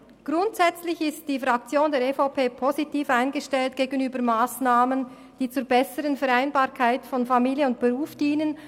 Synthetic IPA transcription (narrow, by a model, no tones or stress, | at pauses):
ɡ̥ʁʊntz̥ɛt͡slɪçɪstd̥iːfʁak̚t͡sjoːndeːɾefoʊpʰeːpʰozitiːfaɪnɡəʃtɛlt̚ɡ̥eːɡənyːbəmaːsnaːmən | d̥iːt͡suːbɛsəʁənfɛʁaɪnbaːɐkʰaɪtfɔnfamiːljəʊntb̥eʁuːfd̥iːnən